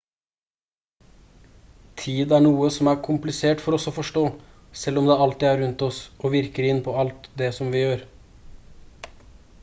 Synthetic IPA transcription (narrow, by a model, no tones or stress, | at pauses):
t̪ʰiːd̪æɳuːəsɔmæːɾkʰʊmplɪseːʈfɔɾɔsɔfɔʂʈoː | sɛlɔmd̪ɛɑlt̪ɪːæɾʉnt̪ɔsoːʋɪɾkəɾɪnpʰɔːɑlt̪d̪ɛsɔmʋɪjøːɾ